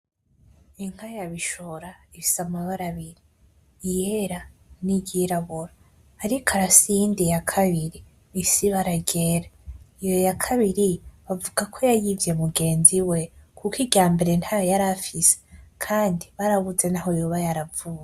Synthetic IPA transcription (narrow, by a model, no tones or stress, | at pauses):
iŋ̥hajaβiʃoɾaifi̥samaβaɾaβiɾiː | jeɾaniɟiɾaβoɾaː | ɾikʰaɾasindijakʰaβiɾiː | siβaɾaɡe̞ɾaijo̞jakʰaβiɾiβavuɡakʰo̞jajivje̞muɡe̞ːnziwe̞kʰukiɟaːmbe̞ɾe̞nthaajaɾafise̥kʰaːndiβaɾaβuze̞naɦo̞joβajaɾavuja